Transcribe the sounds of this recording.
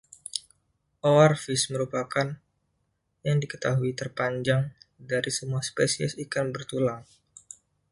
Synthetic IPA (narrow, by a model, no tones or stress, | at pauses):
ʔoarfisməɾupakan | jaŋdikə̥t̪aɦuit̪ərpaɲd͡ʒaŋdaɾisəmuaspesiɛsikanbərt̪ulaŋ